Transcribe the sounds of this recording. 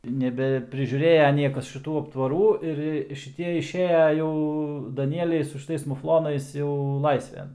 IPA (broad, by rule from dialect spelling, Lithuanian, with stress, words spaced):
nʲɛbʲɛpʲrʲɪʒʲuːˈrʲeːjɛ ˈnʲiɛkɐs ʃʲɪˈtuː ɐptʋɐˈruː ɪr ˈjiɛ ʃʲɪˈtʲiɛ ɪʃʲˈeːjɛ ˈjɛʊ dɐˈnʲiɛlʲɛɪ sʊ ʃʲɪˈtɐɪs mʊfˈlˠoːnɐɪs jɛʊ ˈlˠɐɪsʲʋʲɛn